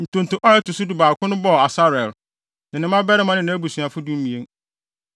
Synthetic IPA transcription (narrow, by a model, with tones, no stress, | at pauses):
n̩˨tʰʊ̃˨n̩˨tʰʊ̃˨ʔɔ˦ɛ˦tʊ˨sʊ˦du˨baː˨kʰʊ̃˦nʊ̃˦bɔ˦˨a˨sa˦ɾɛ˨l | nɪ̃˨nɪ̃˦mã˦bɛ˦ɾɪ˦mã˦nɪ̃˦nã˦æ˦bu˨sa˨fʊ˦dũ˦m̩˦mĩ˨e˦ŋ